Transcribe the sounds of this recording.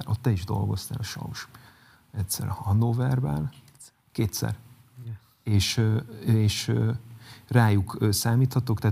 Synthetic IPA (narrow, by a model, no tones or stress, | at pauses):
ɾʔot̪ːɛiʒd̪o̞̰lɡo̞st̪a̰ːlɒʃɒ̰uʃ | ɛt̪ʲsɛ̰ɾhɒnːovɛrbɛ̰l | keːt̪sɛ̰r | eːʃ | eːʃ | raːjukːsaːmiːt̪hɒt̪okt̪aː